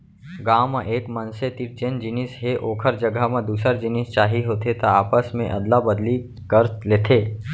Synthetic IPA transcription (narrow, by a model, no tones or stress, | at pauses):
ɡaːmaʔeːkmənset̪iɾt͡ʃeːnd͡ʒɪnɪsɦeʔoːkʰəɾd͡ʒəɡʱəmẽd̪uːsəɾd͡ʒɪnɪst͡ʃaːɦiɦoːt̪et̪oaːpəsmẽʔɐd̪labəd̪li | kəɾleːt̪ʰeː